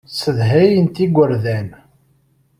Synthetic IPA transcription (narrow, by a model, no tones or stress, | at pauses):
səðɦæjənt̪iɡʷəɾðæn